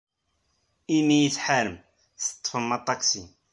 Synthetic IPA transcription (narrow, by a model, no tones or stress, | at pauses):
imijiθħaɾəm | θə̥t̪ˤːfəmːɑt̪ˤːɑksi